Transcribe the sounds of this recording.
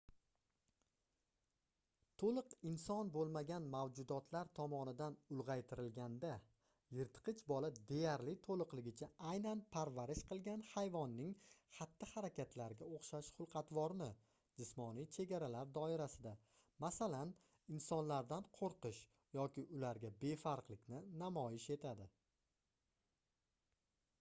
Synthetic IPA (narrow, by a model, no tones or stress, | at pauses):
t̪ʰolˠɨqɪnsɒnbolˠmaɡʲanmawd͡ʒʊd̪ɒt̪ʰlaɾt̪ʰɒmɒnɪd̪anʊlˠʁɑjt̪ʰɪɾɪlɡʲand̪a | jɪɾt̪qʰɨt͡ʃʰbɒlad̪e̞jaɾlɪt̪ʰolˠɨqlɪɡʲɪt͡ʃʰaajnanpʰaɾvaɾɪʃqʰɨlˠɡʲanhajvɒnːɪŋχat̪ːɪhaɾakʲʰat̪ʰlaɾɪɡʲaoχʃaʃχʊlˠqʰɑt̪vɒɾnɪ | d͡ʒɪsmɒnijt͡ʃʰe̞ɡʲaɾalaɾd̪ɒɪɾasɪd̪a | masalan | ɪnsɒnlaɾd̪anqʰoɾqɨʃ | jɒkʲɪʔʊlaɾɡʲabe̞faɾqlˠɪkʲnɪnamɒjɪʃe̞t̪ʰad̪ɪ